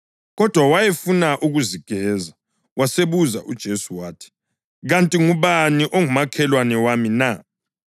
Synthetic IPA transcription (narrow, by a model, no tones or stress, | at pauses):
ɣɔd̥ʱwawajefunaʔuɣuziɡ̥ʱɛza | waseβuza̰ʔud̥ʒ̥ʱesuwaːtʰi̥ | ɣantʼiŋuβaniʔoŋumakʰɛlwanɛwamina